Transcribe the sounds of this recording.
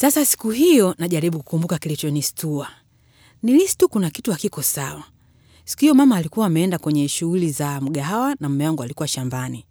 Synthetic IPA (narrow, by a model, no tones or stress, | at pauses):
sasasi̥kuɦijɔnaʄaɾiɓuku̥kumbukakilit͡ʃɔnistua | nilistukunakituakikɔsawa | si̥kuhijɔmamaːlikuwaːmɛɛndakwɛɲɛʃuhulizam̩ɡaɦawanam̩mɛwaŋɡualikuwaʃambani